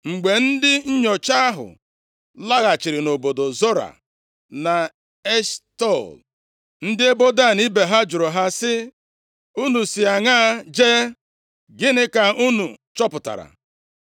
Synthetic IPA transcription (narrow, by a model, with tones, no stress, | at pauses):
ŋ͡m̩˨ɡ͡be˨n̩˦dɪ˦ɲ̩˦ɲɔ˨t͡ʃa˦a˦ɦʊ̰˨ | la˦ɣa˨t͡ʃɪ˨ɾɪ˨no˨bo˨do˨zo˦ɾa̰˨ | na˨ | e˦stɔ˦˨l | n̩˦dɪ˦e˦bo˦da˦˨ni˦be˨ɦa˦d͡ʒʊ˨ɾo˨ɦa˦sɪ˦ | u˦nu˨si˨a˨ŋa˦˨d͡ʒe˦ | ɡɪ˦nɪ˦ka˨u˦nṵ˨t͡ʃɔ˦pʊ˨ta̰˨ɾa̰˨